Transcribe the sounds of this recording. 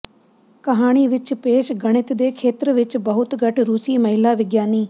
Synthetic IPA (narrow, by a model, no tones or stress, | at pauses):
kəɦaːɽ̃iːʋɪt͡ʃpeːʃɡəɽ̃ɪt̪d̪eːkʰeːt̪ɾʋɪt͡ʃbəɦʊt̪ɡəʈʰɾuːsiːməɦɪlaːʋɪɡjaːniː